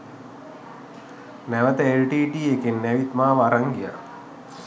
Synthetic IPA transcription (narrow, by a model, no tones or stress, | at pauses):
næʋət̪əelʈiːʈiːekenːæʋit̪maːʋaɾaŋɡija̰